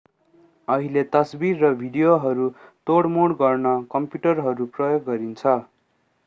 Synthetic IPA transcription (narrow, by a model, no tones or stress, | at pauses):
ʌɦilet̪ʌsbirːʌbʱiɖijoɦʌɾut̪oɽmoɽɡʌrnʌkʌmpjuʈʌrɦʌɾuprʌjoɡːʌɾint͡sʰʌ